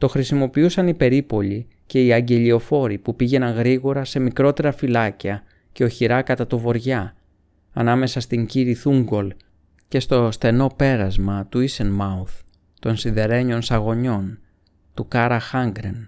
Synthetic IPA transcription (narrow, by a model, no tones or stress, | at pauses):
t̪o̞xɾisimo̞piusɐnipe̞ɾipo̞ʎi | ce̞iɐɲɟe̞ʎio̞fo̞ɾipupiʝe̞nɐŋɣɾiɣo̞ɾɐse̞mikɾo̞t̪e̞ɾɐfilɐciɐ | ce̞o̞çiɾɐkɐt̪ɐt̪ovo̞ɾʝɐː | nɐme̞sɐst̪iɲciɾiθuŋɡo̞l | ce̞st̪o̞st̪e̞no̞pe̞ɾɐzmɐt̪uisenmɐuθ | t̪o̞nsiðe̞ɾe̞ɲo̞nsɐɣo̞ɲo̞n | t̪ukɐɾɐxɐŋɡɾḛn